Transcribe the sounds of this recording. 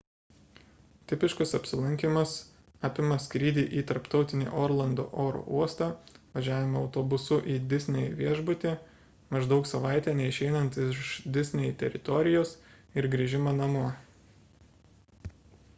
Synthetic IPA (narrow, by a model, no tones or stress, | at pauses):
t̪ʲɪpʲɪʃkʊsɐpʲsʲɪlˠɐŋʲkʲimɐs | ɑːpʲɪmɐsʲkɾʲiːd̪ʲiːʔiːt̪ɐɾpt̪ɒʊt̪ʲɪnʲḛːʔoːɾlˠɐnd̪o̰ːʔoːɾo̰uɔst̪ɑːʋɐʒʲæːʋʲɪmɐɐʊt̪oːbʊsʊʔiːd̪ʲɪsʲnʲɛj̰ʋʲiɛʒbʊt̪ʲeː | mɐʒd̪ɒʊksɐʋɑɪt̪ʲɛːnʲɛɪʃʲɛɪnɐnt̪ɪʃd̪ʲɪsʲnʲɛjt̪ʲɛ̰ɾʲɪt̪ɔɾʲɪjoːs | ɪɾɡɾʲiːʒʲɪmɐnɐmuɔ